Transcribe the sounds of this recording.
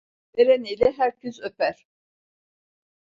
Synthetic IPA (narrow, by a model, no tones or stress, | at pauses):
eɾeniːlʲɛɦæɾcʰyzøpæɾ̥